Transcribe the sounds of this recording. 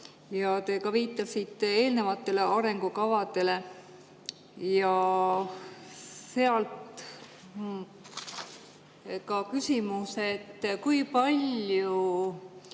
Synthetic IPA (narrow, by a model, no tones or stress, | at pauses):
jɑt̪e̞ːkɑviːt̪ˑːɑsit̪ːˑe̞ːlne̞vɑt̪ːˑe̞le̞ɑɾe̞ŋɡukɑvɑd̪e̞le̞ | jɑ | se̞ɑlt̪ | kɑkysʲimuse̞t̪ːkujpɑlʲju